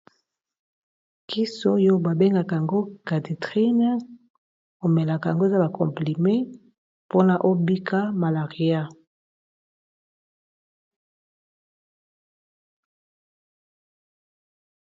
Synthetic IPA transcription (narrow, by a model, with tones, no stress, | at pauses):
ki˦so˦jo˦ba˨be˦ŋɡa˨ka˨a˨ŋɡo˦ka˨di˨tʁi˦n˦ | o˨mɛ˨la˨ka˨a̰˨ŋɡo˦e˦za˦ba˨kɔ̰˨mpli˨mẽ˦ | po˦na˨ʔo˦bi˦kʰa˦ma˨la˨ʁi˨a˦